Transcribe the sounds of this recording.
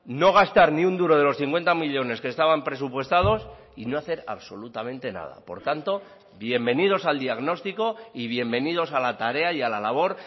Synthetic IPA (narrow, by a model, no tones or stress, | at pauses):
no̞ɣ̞ast̪aɾniund̪uɾo̞ð̞e̞lo̞sθiŋkwe̞nt̪amiʎo̞ne̞ske̞st̪aβampɾe̞supwe̞st̪að̞o̞s | ino̞aθe̞ɾa̰βso̞lut̪amẽ̞nt̪e̞na̰ð̞a̰po̞̰ɾt̪ant̪o̞ | βje̞mbe̞nið̞o̞sald̪iaɣno̞st̪iko̞iβ̞je̞mbe̞nið̞o̞salat̪aɾe̞ajalalaβ̞o̞ɾ